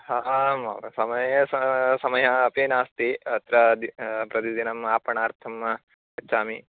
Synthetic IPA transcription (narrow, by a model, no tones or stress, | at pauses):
hamɐ̰sɐmɐjɐsɐsɐmɐjɐɐpeːnaːst̪iɐt̪ɾɐd̪pɾɐt̪id̪inɐmaːpɐɳaːɾt̪ʰɐmːɐ | ɐt͡ʃːʃʰaːmi